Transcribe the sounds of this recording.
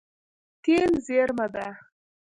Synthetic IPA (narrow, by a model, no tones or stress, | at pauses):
t̪elzeɾmad̪a